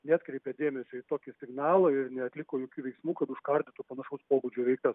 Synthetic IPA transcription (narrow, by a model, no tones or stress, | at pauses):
nʲæːt̪kɾʲɛɪpʲɛd̪ʲeːmʲɛsʲoːɪt̪oːkʲɪsʲɪɡnɑːlˠɐɪrnʲɛɐt̪ʲlʲɪkoːjoːkʲuːʋʲɛɪksmuːkɐt̪ʊʃkɐɾʲd̪ʲɪt̪ʊpɐnɐʃɐʊspoːbud͡ʒʲuːʋʲɛɪkt̪ɐs